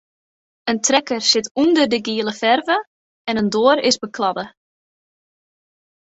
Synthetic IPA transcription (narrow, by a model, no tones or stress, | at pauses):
əntrɛkərsɪtundərdəɡiəlˠəfɛrvə | ɛnəndoːəɾɪsbəkʰlɑdə